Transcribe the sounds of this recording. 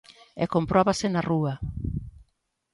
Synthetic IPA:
ɛ̰kompɾɔβasenarua

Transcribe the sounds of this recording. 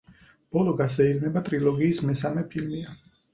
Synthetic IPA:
b̥ɔlˠɔɡasɛidnɛbat̪ʼɾilˠɔɡiːsmɛsamɛpʰilmia

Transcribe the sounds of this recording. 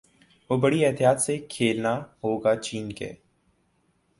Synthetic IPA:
ʋoːbəɽiɛɦt̪ijaːt̪sekʰeːlnaɦoːɡat͡ʃiːnkḛː

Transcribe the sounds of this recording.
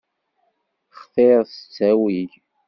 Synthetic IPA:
χθeɾsə̥t͡sːæwiʝ

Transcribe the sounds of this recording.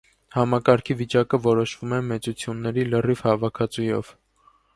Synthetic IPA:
hɑmɑkɑɾkʰivit͡ʃɑkəvɔɾɔʃvumɛmɛt͡sut͡sʰjunːɛɾilərivhɑvɑkʰɑt͡sujɔ̰v̥

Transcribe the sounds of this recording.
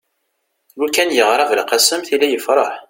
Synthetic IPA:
lukːænjəʁɾˤɑvəlqɑsəmθilːæjəfɾˤɑħ

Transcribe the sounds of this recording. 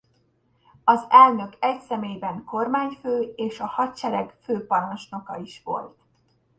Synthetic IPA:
ɒzɛlnø̞kɛcsɛmeːjbɛŋko̞rmaːɲføːeːʃɒhɒt̪t͡ʃɛɾɛɡføːpɒnɒnʃno̞kɒ̰iʃʋo̞̰lt̪

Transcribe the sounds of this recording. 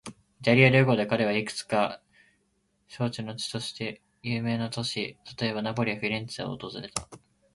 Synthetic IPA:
d͡ʑaɾʲiaɾɯ̟ːɡo̞d̪e̞kaɾe̞β̞aikɯ̥t͡sɨ̥ka | ɕo̞ːt͡ɕinot͡ɕi̥t̪o̞ɕi̥t̪e̞ | jɯ̟ːme̞ːnat̪o̞ɕit̪ḁt̪o̞e̞βanabo̞ɾʲiaɸiɾʲẽnt͡saoo̰t̪o̞zɨɾe̞t̪a

